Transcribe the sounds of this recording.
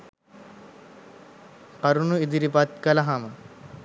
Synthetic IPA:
qɐɾunuid̪iɾipɐt̪̚kɐlɐɦamɐ

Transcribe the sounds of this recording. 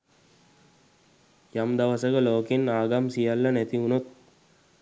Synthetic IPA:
jamd̪aʋəsəkəloːkinaːɡamsijalːɐnæt̪iunot̪̚

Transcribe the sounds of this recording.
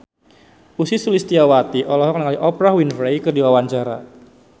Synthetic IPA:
usisulist̪iawat̪iʔɔlɔɦɔk̚nəŋaliʔɔpɾawinfejkərdiwawaɲt͡ʃaɾa̰

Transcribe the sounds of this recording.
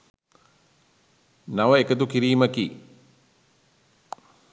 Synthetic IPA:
naʋəekət̪ukiɾiːməkiː

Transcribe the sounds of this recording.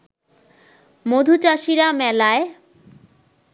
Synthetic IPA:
mod̪ʱut͡ɕaʃiɾamɛlae

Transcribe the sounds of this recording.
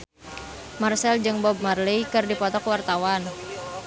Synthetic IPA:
marsɛld͡ʒɨŋbɔb̚marlijkɨrdipɔt̪ɔkwart̪awan

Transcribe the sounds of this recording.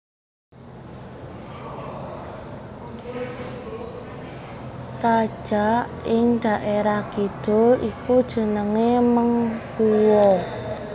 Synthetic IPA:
rad̥ʒ̥aʔɪŋd̪̥a̤ʔeɾaɡ̥id̪̥ʊ̤rʔikud̥ʒ̥ə̤nəŋeməŋkuwɔ

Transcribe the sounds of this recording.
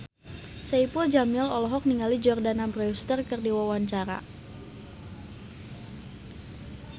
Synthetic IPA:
saipuld͡ʒamilɔlɔɦɔk̚niŋalid͡ʒɔrdanabɾɛust̪ərkɨrdiwawaɲt͡ʃaɾa̰

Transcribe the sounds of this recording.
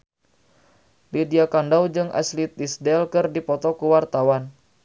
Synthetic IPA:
lidiakandawd͡ʒɨŋʔa̰slit̪̚isdɛlkɨrdipɔt̪ɔkuwart̪awan

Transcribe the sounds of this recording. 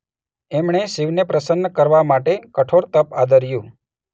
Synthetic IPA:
ɛmɳeʃiʋnepɾəsənːəkəɾʋamaʈekəʈʰoɾt̪əpad̪əɾjũ

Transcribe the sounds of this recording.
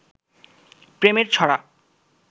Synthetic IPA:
pɾemeɾt͡ɕʰɔɽa̰

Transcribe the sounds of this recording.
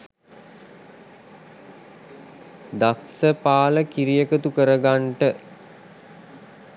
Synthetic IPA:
d̪aksəpaːləkiɾijəkət̪ukəɾəɡaɳʈə

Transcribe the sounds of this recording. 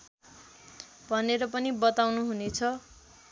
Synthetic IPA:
bʱʌneɾʌpʌnibʌt̪awnuɦunet͡sʰʌ

